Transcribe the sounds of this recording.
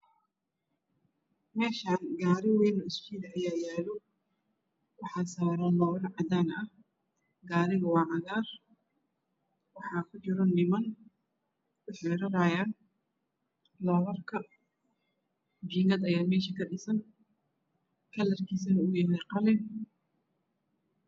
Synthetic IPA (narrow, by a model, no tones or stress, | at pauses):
mɛːʃaːnɡaːɾɪwɛːnɔɪst͡ʃiːd̪ɐɐjaːjaːlɔ | wɑħɑːsaːɾaːlɔːlɐrʕɑd̪aːnɐh | ɡaːɾɪɣɐwɑːʕɐɣaːr | wɑħɑːkʰʊt͡ʃɪɾɔnɪmɐn | ʊħɛːɾɐɾaːjaːn | lɔːlɐrkʰɐ | d͡ʒiŋɐd̪ɐjaːmɛːʃɐkʰɐɗɪsɐn | kʰɐlɐrkʰiːs̬ɐnɐʊɣjɛːlɛqɑlɪn